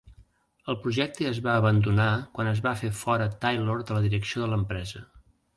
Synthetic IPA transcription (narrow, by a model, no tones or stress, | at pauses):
əlˠpɾuʒɛk̚t̪əəzβaəβənd̪unakwanəzβafefɔɾət̪ajloɾd̪ələðiɾəksioðələmpɾɛzə